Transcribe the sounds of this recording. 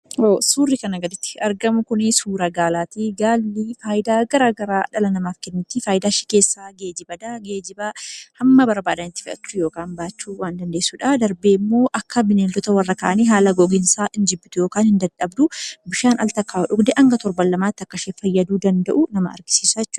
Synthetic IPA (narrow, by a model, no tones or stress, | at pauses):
oːsuːrːɪkɐnɐɡɐd̪ɪt̪ːɪ̥ɐɾɡɐmʊkʊnɪsuːɾɐɡaːlaːt̪iɡaːlːiːfaːjɪd̪aːɡɐɾaːɡɐɾaːᶑɐlɐnɐmaːfkɛnːʊt̪ːɪfaːjɪd̪aːʃɪ̥ke̞ːsːaːɡe̞ːd͡ʒɪbɐd̪aɡeːd͡ʒɪbahɐmːɐbɐɾbaːd̪ɐnɪt̪ːɪ̥fɪʔɐt̪ːujo̞ːkaːnbaːt͡ʃːuːwaːnd̪ɐnd̪e̞ːsːʊːᶑad̪ɐɾbeːmːo̞ːʔɐkːɐbɪneːld̪ɔt̪ɐwɐrːɐkaʔɐniːɦaːlɐɡɔɡɪnsaːʔɪnd͡ʒɪbːɪt̪ʊjo̞ːkaːnhɪnd̪ɐnᶑɐbd̪ʊbɪʃaːnɐ̰lt̪ɐkːaːᶑʊɡd̪ɛʔɐŋɡɐt̪ɔɾbɐlːɐmaːt̪ːɐkːɐʃeːfɐjːɐd̪uːd̪ɐnd̪ɐʔʊnɐmɐʔɐ̰ɾɡɪ̥siːsɐjɛt͡ʃːʊːɐ̥